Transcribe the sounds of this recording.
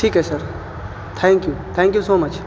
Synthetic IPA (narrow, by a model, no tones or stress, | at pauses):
ʈʰiːkːesɐɾ | t̪ʰɛ̃ŋkjut̪ʰɛ̃ŋkjusoːmɐt͡ʃ